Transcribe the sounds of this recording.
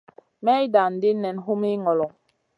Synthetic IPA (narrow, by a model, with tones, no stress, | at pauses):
mɛ˦i˦da˨n̩˨di˦nɛ˨nɦu˦mi˦ŋɔ˨lɔ˨